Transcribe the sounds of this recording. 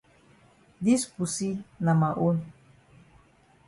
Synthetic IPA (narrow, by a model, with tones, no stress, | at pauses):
d̪i˦spusi˦na˨ma˨ʔun